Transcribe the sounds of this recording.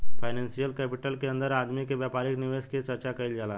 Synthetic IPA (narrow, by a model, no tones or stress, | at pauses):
fajnɛnsijəlkɛpiʈəlkend̪əɾad̪mikeʋjapaɾikniʋesket͡ɕəɾt͡ɕakaiːld͡zala